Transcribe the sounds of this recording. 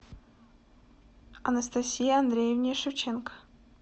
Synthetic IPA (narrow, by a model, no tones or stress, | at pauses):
ɐnɐst̪ɐsʲijəɐnd̪ɾʲejevnʲɪjəʂɨft͡ɕenkə̥